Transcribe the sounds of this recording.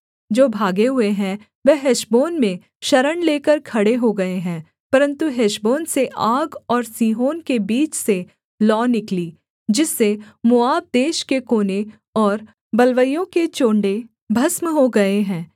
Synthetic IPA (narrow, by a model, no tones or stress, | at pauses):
d͡ʒoːbʱaːɡeɦʊeɦɛ̃ | ʋɛɦeʃboːnmẽ | ʃɐɾəɳleːkəɾkʰɐɽeɦoɡɐeɦɛ̃ː | pɐɾə̃nt̪uɦeːʃboːnseʔaːɡɔːɾsiːɦoːnkebiːt͡ʃse | lɔːnɪkliː | d͡ʒɪsːemʊaːb̚d̪eːʃkekoːne | ɔːɾ | bɐlʋəjõket͡ʃoːɳɖe | bʱɐsmɦoɡɐeɦɛ̃ː